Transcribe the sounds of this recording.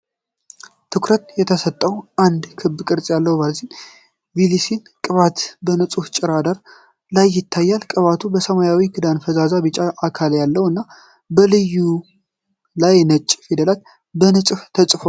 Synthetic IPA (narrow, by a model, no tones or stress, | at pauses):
t̪ʰɨkɾət̪jɛt̪ʰəsət̪ʼːəwʔand̪kʰɨbkʼɨɾt͡sʼjalːəwbazin | vilisin | kʼɨβat̪bənɨt͡sʼuht͡ʃʼɪɾad̪aɾ | lajːɪt̪ʰːajːalkʼəβat̪ʰubəsəmajawikʰɨd̪anfəzazabɨt͡ʃʼaʔːkʰaljalːəwɨnːa | bəlɨjːu | lajnət͡ʃʼːfid̪əlat̪ | bənɨt͡sʼɨft̪ʰət͡ʃʼfo